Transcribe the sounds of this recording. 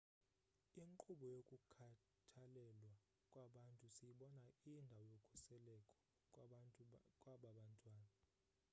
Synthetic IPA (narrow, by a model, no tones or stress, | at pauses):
iŋǃuɓɔjokʼukʰa | tʰalɛlwa | kʼwaɓantʼusijiɓɔnaindʱawɔjokʼu̥sɛlɛkʼɔ̥ | kʼwaɓaɓantʼwaːna